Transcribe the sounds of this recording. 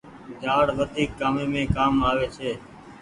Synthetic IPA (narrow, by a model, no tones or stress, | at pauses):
d͡ʒaːɽʋəd̪ʱiːkːaːmeːmẽːkaːmaːʋeːt͡ʃʰeː